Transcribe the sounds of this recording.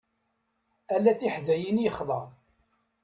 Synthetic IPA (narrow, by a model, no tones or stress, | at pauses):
ælːæθiħðæjinjəχðˤɑɾ